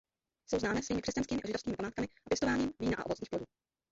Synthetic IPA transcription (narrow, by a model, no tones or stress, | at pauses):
sowznaːmɛːsviːmɪkr̥ɛscanskiːmɪʔaʒɪdofskiːmɪpamaːt̪kamɪʔapjɛst̪ovaːɲiːmviːnaʔa̰ʔovot͡sɲiːxploduː